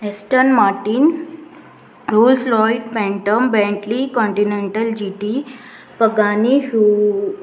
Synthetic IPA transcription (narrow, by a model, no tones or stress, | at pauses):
esʈənmaɾʈiːn | ɾolslɔiʈpɛ̃ɳʈəmbɛ̃ɳʈlikɔ̃ɳʈineɳʈəld͡ʑiʈi | pəɡaniɦu